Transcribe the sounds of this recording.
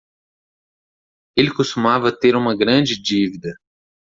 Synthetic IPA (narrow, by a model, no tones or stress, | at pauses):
elɪkost̪umavɐt̪eɾũmɐɡɾɐ̃d͡ʒɪd͡ʒivid̪ɐ